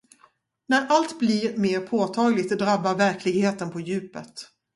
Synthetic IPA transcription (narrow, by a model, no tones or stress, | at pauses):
næɾʔalt̪bliɾmeːɾpʰoːt̪ʰɑːɡlɪt̪d̪ɾabːaɾvæɾkʰlɪɡheːt̪ənpʰɔjʉ̟ːpət̪